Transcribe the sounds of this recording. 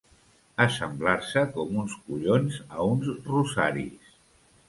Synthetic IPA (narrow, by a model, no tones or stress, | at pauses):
əsəmblaɾsəkɔmunskuʎonzəunzruza̰ɾḭs